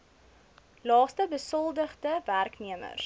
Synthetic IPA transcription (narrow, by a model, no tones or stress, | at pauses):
lɑːstəbəsəlˠdəχdəværkniəmə̰r